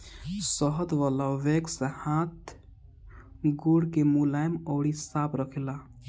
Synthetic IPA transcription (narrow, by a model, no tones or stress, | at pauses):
səɦəd̪ʋalaʋeksehãt̪ | ɡuɽkemulajmɔːɽisapɾəkʰila